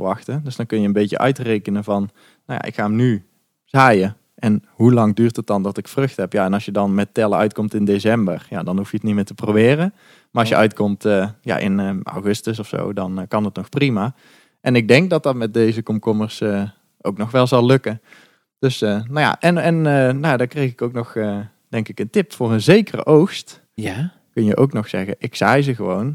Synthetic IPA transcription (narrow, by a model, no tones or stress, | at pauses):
əʋɑxtədøsd̥ɑnkɵnjəənbejcə̰ʔœ̰ɥtrejkənəvɑn | nawja̰ʔɪ̰kxaːəmny | z̥aːjə | ɛn | ɦulɑŋdyːrtət̚dɑndɑtɪkfrɵxtɦɛpjaːɛnɑlˠsjədɑnmɛtɛlˠəœ̰ɥtkɔmtɪndesɛmbərja̰ːdɑnɦufjəətnitmɪːtəprowbɪːrə | maɑʃjəʔœɥtkɔmtəja̰ːʔɪ̰na̰wɣɵstəs̬ɔfso̰wdɑnkɑnɦətnɔxprima | ʔɛnɪɡ̚dɛŋk̚dɑt̚dɑtmɛt̚dejzəkɔmkɔməɹsə | ʔowknɔxʋɛlˠzɑlˠɵkə | d̥øsənaja̰ʔɛnɛnnajadɑkrejxɪkowknɔxə | d̥ɛŋkɪkəntɪpfʊːrənzejkərə̰ʔowxst | kɵnjə̰ʔowknɔxsɛ̰ɣə̰ʔɪksɛjzəɣəʋown